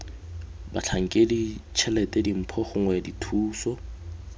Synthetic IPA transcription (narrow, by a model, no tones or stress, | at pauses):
bat͡ɬʰaŋ̩kʼedit͡ʃʰɛlɛtʼɛdim̩pʰɔχʊŋwɛditʰuːsɔ